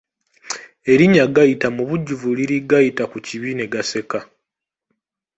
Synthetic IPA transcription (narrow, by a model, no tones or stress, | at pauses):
e̞ɾiɲaɡajitamuβuɟːuvuliɾiɡajitakuciβine̞ɡase̞ka